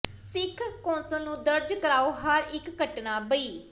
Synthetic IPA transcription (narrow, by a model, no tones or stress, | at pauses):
sɪkʰkɔ̃ːnsə̃nũːd̪əɾd͡ʒkəɾaːoːɦəɾɪkːəʈnaːbəiː